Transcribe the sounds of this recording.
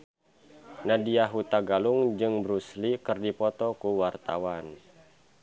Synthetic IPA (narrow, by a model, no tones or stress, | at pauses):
nadiaɦut̪aɡaluŋd͡ʒɨŋbɾuslikɨrdipɔt̪ɔkuwart̪a̰wan